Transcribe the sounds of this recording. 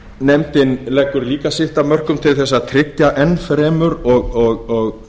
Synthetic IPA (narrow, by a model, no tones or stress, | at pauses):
nɛmt̪ɪnlɛkːʏɾliːkasɪht̪amœr̥kʏmt̪ʰɪlθɛs̬ːat̪ʰɾɪtjaʔɛnfɾɛːmʏɾɔɣɔɣɔɣ